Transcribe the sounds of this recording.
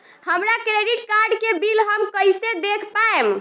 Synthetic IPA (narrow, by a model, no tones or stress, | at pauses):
həmɾakɾeɖiʈkaɾɖkebilɦəmkəjsed̪ekʰpaem